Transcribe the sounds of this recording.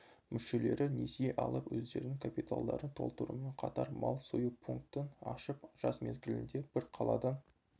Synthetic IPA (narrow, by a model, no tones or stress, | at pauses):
mʏʃe̞le̞ɾɪne̞sijeʔɑlˠəpwɵzd̪e̞ɾɪnɪŋkʰapit̪alˠd̪ɑɾənt̪ʰo̞̰lˠt̪əɾṵme̞ɴqʰɑt̪ɑɾmɑlˠsojupʰuŋk̚t̪ənɑʃəpʒ̥ɑsme̞zɡʲɪlɪnd̪e̞b̥ɪɾqʰɑlˠɑ̰d̪ɑn